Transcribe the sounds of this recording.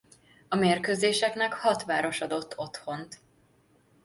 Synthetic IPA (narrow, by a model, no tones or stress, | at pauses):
ɒmeːrkøːzeːʃɛknɛkhɒt̪ʋaːɾo̞ʃɒd̪o̞t̪ʰːo̞t̪ho̞nt̪